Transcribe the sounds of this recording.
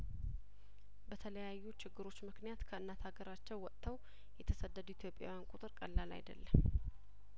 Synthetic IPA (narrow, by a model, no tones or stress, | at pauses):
bət̪ʰələjajːut͡ʃɪɡːɨɾo̞t͡ʃːmɨknijat̪kʰəɨnːat̪ʰaɡəɾat͡ʃːɛwwːɔt̪ʰːəw | jɛt̪ʰəsəd̪ːəd̪it̪ʰjo̞pʼːja̰wjankʼut̪ʼɨɾkʼəlːala̰jd̪ə̰lːəm